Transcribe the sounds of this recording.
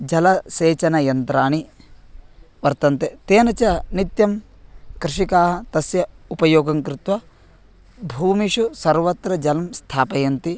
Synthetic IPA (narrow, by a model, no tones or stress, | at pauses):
d͡ʒɐlɐseːt͡ʃɐnɐjɐnt̪ɾaːɳi | ʋɐɾt̪ɐnt̪et̪eːnɐt͡ʃɐnit̪jɐm | kɾɪʂikaːɦɐ̆t̪ɐsjɐupɐjoːɡɐŋkɾɪt̪ʋɐ | bʱuːmiʂusɐɾʋɐt̪ɾɐd͡ʒɐlɐmst̪ʰaːpɐjɐnt̪i